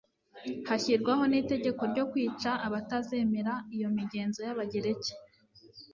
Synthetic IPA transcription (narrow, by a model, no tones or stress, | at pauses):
haçiɾɡwaho̞nite̞ɟe̞ko̞ɾɟo̞kwiːt͡ʃaʔːβataze̞me̞ɾaijo̞miɟe̞ːnzo̞jaβaɟe̞ɾe̞ce̥